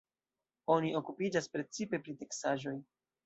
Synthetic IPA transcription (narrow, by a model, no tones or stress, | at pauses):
o̞niʔo̞kupid͡ʒaspɾe̞t͡sipe̞pɾite̞ksaʒo̞j